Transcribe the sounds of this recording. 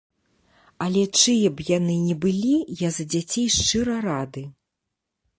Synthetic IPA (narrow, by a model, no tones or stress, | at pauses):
ɐlʲɛt͡ʂɨjɐbjanɨnʲɛbɨlʲijazɐd͡zʲat͡sʲejʂt͡ʂɨɾɐɾad̪ɨ